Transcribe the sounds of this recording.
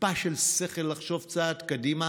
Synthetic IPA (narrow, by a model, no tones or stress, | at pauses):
paʃelseχelːaχʃo̞vt͡saːt̪kadima